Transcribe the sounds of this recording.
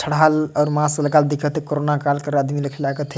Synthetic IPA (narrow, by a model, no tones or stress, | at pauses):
t͡ʃʰəɽ̤alɔːɾmãsləɡald̪ikʰət̪ekoɾonakalkəɾəd̪miləkʰɛlaɡət̪ʰ